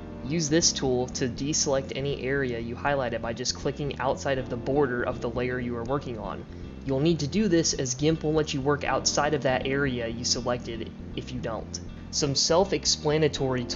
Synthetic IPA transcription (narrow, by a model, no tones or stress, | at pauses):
jʉzðɪstʰulˠtʰɨdisəlɛk̚tɛniʔɛɹiɨjɨhaɪlaɪɾɨd̚baɪd͡ʒʌskʰl̥ɪkɪ̃ŋa̰ʊtsaɪɾʌvðəbɔɹɾə˞ʔʌ̰vðəleɪə˞jɨə˞wɜ˞kɪ̃ŋə̰̃n | jul̩ˠnid̚tɨdɨðɪsɨzɡɪ̃mp̩ˠlɛt͡ʃɨwɜ˞ka̰ʊtsaɪɾʌvðɨɾʔɛɹiɨjɨsəlɛk̚tɨɾ | ɨfjɨdõʊ̃nt | sʌ̃msɛlˠfɨksplænɨtʰɔɹitʰ